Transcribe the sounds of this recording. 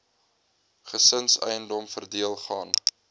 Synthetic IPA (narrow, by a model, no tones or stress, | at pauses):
χəsənsɛ̰jəndɔmfərdiəlˠχɑːn